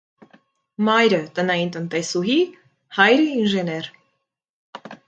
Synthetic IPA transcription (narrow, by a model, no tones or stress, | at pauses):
mɑjɾət̪ənɑjint̪ənt̪ɛsuɦi | hɑjɾəinʒɛnɛɾ